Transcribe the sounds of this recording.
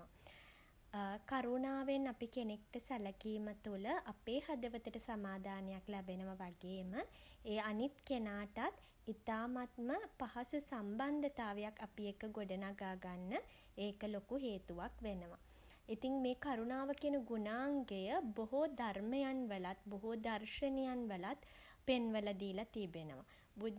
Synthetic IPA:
kaɾunaːʋenːapikenek̚ʈəsæləkiːmət̪uləʔapeːhad̪əʋət̪əʈəsamaːd̪ʱaːnejaklæbenəʋaʋaɡeːməeːanit̪kenaːʈat̪ | it̪aːmat̪̚məpaɦasusamband̪ət̪aːʋejakːapijekəɡoɖənaɡaːɡanːə | eːkəlokuɦeːt̪uʋakʋenəʋa̰ | it̪iŋmeːkaɾunaːʋəkiənəɡunaːŋɡejəboɦod̪ʱarməjanʋəlat̪boɦod̪arʃənejanʋəlat̪ | penʋəlad̪iːlat̪ibenəʋa̰ | bu

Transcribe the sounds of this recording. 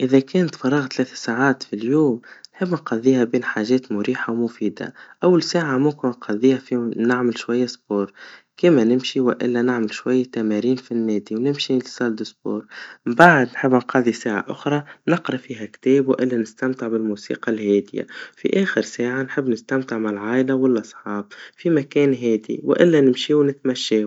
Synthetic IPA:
ʔɪðækɛːnt̪fɑɾˤːɑːɣt̪lɛːθḁsaːʕaːt̪filjuːmnħɪbːnqɑðːiːhabiːnħaːʒɛːt̪mʊɾiːħawmʊfiːd̪a̰ʔawːalsaːʕamʊmkɪnnqɑðiːhæfinɪʕmɪlʃwajːasboːɾ | kɪːmænɪmʃiwɪ̰ʔɪ̰lːænaʕmɪlʃwajːat̪æmæɾiːnfinːɛːd̪iwnɪmʃilsˤɑːld̪ɪsbo̰ːɾmbaʕd̪nħɪbːnqɑːðˤisaːʕa̰ʔʊxɾˤɑnɪqɾɑfiːɦakt̪eːbwʔɪlːanɪst̪amt̪ɪʕbɪlmuːsḭːqɑlheːd̪ɪja̰fḭʔeːxɪɾsaːʕanħɪbːnɪst̪amt̪ɪʕmalʕaːʔɪlawɪlʔɑsˤħɑːb̚fimakeːnɦeːd̪ḭwɪ̰ʔɪlːanɪmʃiːwnɪt̪maʃːeː

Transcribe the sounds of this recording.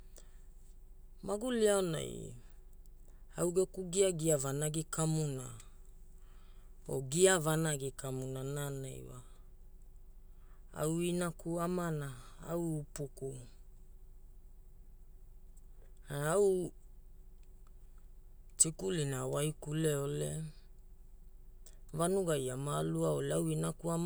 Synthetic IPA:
maɡuliaona̰j | awɡekuɡiaɡiavanaɡikʰamuna | o̰ɡiavanaɡikʰamunanana̰jwa̰ | a̰winakuamana | a̰wːpuku | aaw | tikulinawajkuleole̞ | vanuɡajamaluaoleawinakuam

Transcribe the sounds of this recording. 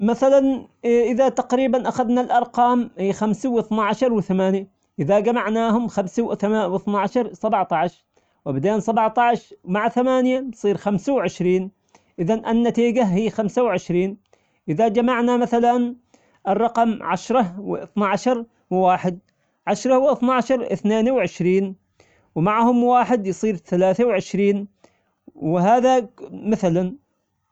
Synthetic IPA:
maθalanʔɪðat̪aqɾiːbanʔaxaðnalʔɑɾˤqɑːmhiːxamsawɪθnaʕaʃɑɾˤwɪθamaːnja | ʔɪðad͡ʒamaʕnaːhʊmxamsawθawɪθnaʕaʃɑɾˤsˤabʕt̪ˤɑʕʃ | wɪbad̪eːnsˤɑbʕt̪ˤɑʕʃmaʕaθamaːnjansˤiːɾxamsawʕɪʃɾiːn | ʔɪðanʔanːat̪iːɡahiːxamsawʕɪʃɾiːn | ʔɪðad͡ʒamaʕnamaθalan | ʔɨrˤːɑqɑmʕaʃɾˤɑwɪ̰ʔɨθnaʕaʃɑɾˤ | wɪwaːħɪd̪̚ | ʕaʃɾˤɑwʔɨθnaʕaʃɑɾˤʔɪ̰θneːnwʕɪʃɾiːn | wmaʕhʊmwaːħɪd̪jsˤiːɾθalaːθawʕɪʃɾiːn | wɪɦaːðamɪθlan

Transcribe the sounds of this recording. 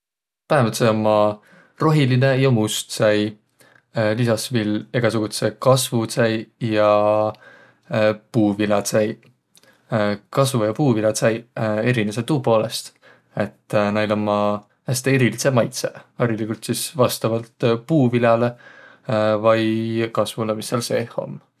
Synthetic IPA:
pæɦemvɑt̪seomːɑ | ro̞ɦiline̞jɑmust̪sɑj | lisɑsvile̞ɡ̥ɑsuɡ̥ut̪se̞kɑsvusæjjɑ | puːvilɑt̪sæj | kɑsvujɑpuːvilʲɑt̪sɑje̞ɾineset̪uːpo̞ːle̞st̪ | e̞t̪ːnɑjlomːɑ | æst̪eeɾilise̞mɑjt̪seɑɾilikult̪sisvɑst̪ɑvɑlt̪puːvilɑle̞ | vɑjkɑsvulemisːeɑlseho̞̰m

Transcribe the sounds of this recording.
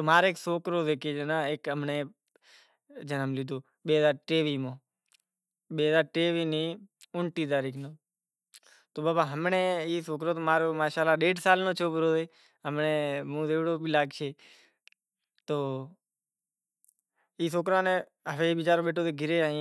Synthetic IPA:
t̪omaːɾeːksoːkɾoːd̪eːkʰeːd͡ʒenãːeːkəmneː | d͡ʒənəmliːd̪oː | ɓeːɦəzaːɾʈeːʋiːmõː | ɓeːɦəzaːɾʈeːʋiːniːʊɳʈiːt̪̬aːɾiːkʰnoː | t̪oːbaːbaɦəmneːiːsoːkɾoːt̪oːmaːɾoːmaːʃaːlaɗeːɖsaːlnõːt͡ʃʰoːpɾoːd̪eː | ɦəmnemũːd̪eːʋɽoːbilaːɡt͡ʃʰeː | t̪oː | iːsoːkɾaːnẽ | ɦəʋeiːʋɪt͡ʃaːɾoːɓeːʈʰoːt̪eːɡʱɪɾeaːɦĩ

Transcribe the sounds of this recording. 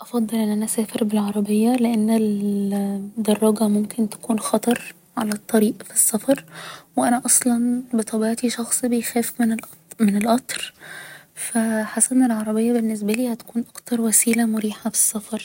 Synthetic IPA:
ʔɑfɑd̪ˤːɨlʔenːʔænæʔæsæːfeɾbelʕɑɾˤɑbejːæleʔenːel | d̪ɑrˤːɑɡɑmomkʰent̪æ̥kuːnxɑt̪ˤɑɾˤ | ʕalæt̪ˤːɑɾiːʔfi̥sːɑfɑɾˤweʔænæʔɑsˤlɑnbet̪ˤɑbiʕt̪iʃɑxsˤbejxæːfmn | menelʔɑt̪ˤɾ | fæħasːæʔenːelʕɑɾˤɑbejːɑbenːes̬bæliːhæt̪æ̥kuːnʔɑkt̪ɑɾˤwæsiːlæmʊɾiːħafi̥sːɑfɑɾˤ

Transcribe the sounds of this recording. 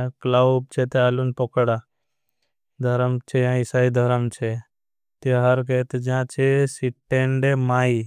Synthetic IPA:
klab̚t͡ʃʰet̪ealunpɔkɽa | d̪ʱɐɾəmt͡ʃʰejãɪsaːid̪ʱɐɾəmt͡ʃʰe | t̪eɦɐɾket̪d͡ʒãt͡ʃʰesiʈːeɳɖemaːi

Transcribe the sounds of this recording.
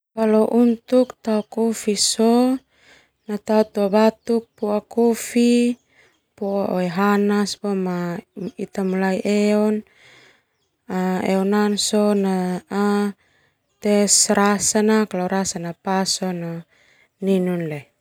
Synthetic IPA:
kaloʔunt̪ukt̪aukufisɔ | nat̪aut̪uabat̪uk̚puakufi | puaʔoeɦanaspɔmait̪amulaiʔɛɔn | aɛɔnansɔnaa | t̪ɛsɾasanakaloɾasanapasɔna | ninunle

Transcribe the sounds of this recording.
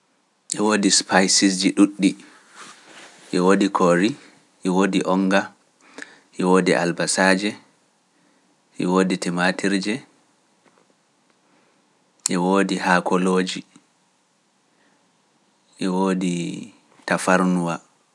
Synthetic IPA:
ʔɛwoːdispajsisd͡ʒiɗuɗːi | ʔɛwodikʰoɾi | ʔɛwodiʔɔŋɡa | ʔɛwodiʔa̰lbasaːd͡ʒɛ | ʔɛwoːditɛmatʰiɾd͡ʒɛ | ʔɛwoːdihakɔloːd͡ʒi | ʔɛwoːdi | tafaɾnuwa

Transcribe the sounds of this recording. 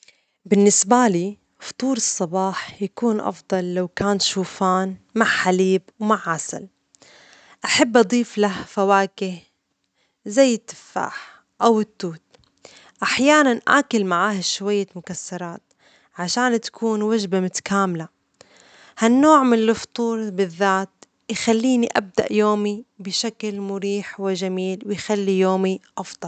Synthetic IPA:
bɪnːɪsbaliː | ft̪ˤuːɾɨsˤːɑbɑːħjakuːnʔɑ̰fd̪ˤɑlːawkaːnʃuːfaːnmaʕħaliːbwmaʕːasa̰l | ʔaħabːʔɑd̪ˤiːflahfawaːkɪh | zajːɪt̪ːɪ̥fːa̰ːħ | ʔawɪt̪ːuːt̪̚ | ʔaħjaːnanʔa̰ːkʊlmaʕaːhaʃwajːamʊkasːɑɾˤɑːt̪̚ | ʕaʃaːnt̪ḁkʰuːnwaʒbamʊt̪ḁkaːmla | hanːoːʕmɪnɪlft̪ˤuːɾbɪðːaːt̪ | jxalːiːniʔa̰b̚d̪a̰ʔjoːmibɪʃaklmʊɾiːħwɪʒamiːlwɪjxalːijoːmiʔɑfd̪̥ˤɑl

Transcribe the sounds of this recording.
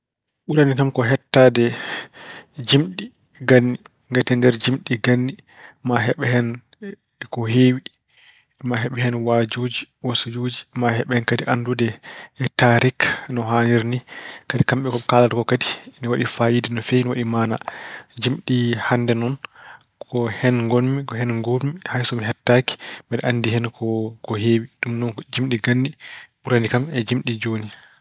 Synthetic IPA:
ɓuɾanikamkɔɦɛtːadɛ | d͡ʒimɗi | ɡanːi | ŋɡatɛndɛɾd͡ʒimɗiɡanːi | maɦɛɓɛɦɛn | kɔɦeːwi | maɦɛɓɛhɛnwad͡ʒuːd͡ʒiwasud͡ʒod͡ʒimahɛɓɛhɛnkadiʔandudɛːtaɾiknɔɦaniɾnikadikamɓɛkɔɓɛkalatkɔkadi̥niwaɗifajidɛnɔfɛniwaɗimaːna̰d͡ʒimɗihandɛnɔn | kʰɔhɛnŋɡolmikɔhɛnŋɡolmihajsɔmiɦɛtːaki̥mɛɗɛʔanːdihɛnkʰɔkɔɦewiɗumnɔnkd͡ʒimɗiɡanːiɓuɾanikamɛd͡ʒimɗid͡ʒoːni

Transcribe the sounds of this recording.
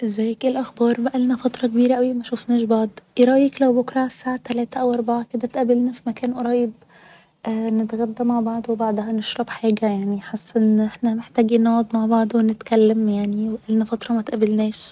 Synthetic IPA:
ʔzæːjkelʔaxbɑːɾˤbæʔælnæfɑt̪ˤɾˤɑkbiːɾæʔæwimæʃufnæːʃbɑʕd̪ˤɾˤɑːjiklæwbʊkɾˤɑʕsːaːʕat̪ːælæːt̪æʔæwʔɑɾˤbaʕaked̪æt̪ʔæbelnæfimækæːnʔɑɾˤɑːjeb | ʔnɪt̪ɣæd̪ːæmaʕbɑʕd̪ˤwebɑʕd̪ˤhɑneʃɾˤɑbħaːɡæjaʕniħesːʔenːʔeħnæmeħt̪æːɡinɑd̪ˤmaʕbɑʕd̪ˤwnɪt̪kælːæmjaʕniwæʔælnæfɑt̪ɾˤɑmæt̪ʔæbælnɛːʃ

